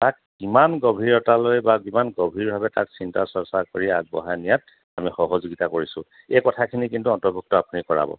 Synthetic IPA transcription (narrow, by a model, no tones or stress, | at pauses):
tak̚ː | imanɡobʱiɹɔtalojbabimanɡobʱiɹbʱabɛta̰ksintasɔsakoɹia̰ɡ̚bɔ̰ɦanijat | amixɔɦɔzuɡitakoɹisʊ̃ | ekɔtʰakʰinikintuɔntɔɹbʱuk̚tɔapunikɔɹa̰bɔ̰